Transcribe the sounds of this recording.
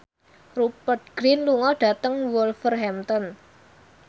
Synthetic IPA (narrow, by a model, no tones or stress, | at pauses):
rupət̪̚ɡ̥ɾinluŋɔɖ̥a̤t̪əŋwɔlfərɦɛmt̪ɔn